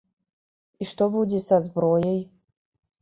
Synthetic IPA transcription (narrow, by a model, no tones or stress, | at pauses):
iʂt̪obudʲesɐzbɾojej